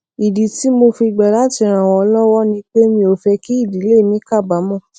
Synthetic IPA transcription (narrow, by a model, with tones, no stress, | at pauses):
i˨di˨ti˨˦mo˧fi˧ɡ͡bɛ˨la˨˦ti˧ɾ̃ã˨wɔ̃˨ɔ˧lɔ˦wɔ˦nĩ˧˦k͡pe˦mĩ˧o˧fɛ˧ki˦i˦˨di˨˦le˦˨mĩ˨˦ka˦˨ba˨˦mɔ̃˦˨